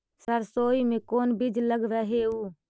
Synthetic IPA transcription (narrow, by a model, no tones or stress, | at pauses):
səɾsoːiːmẽːkoːnbid͡ʒləɡɾəɦeːuː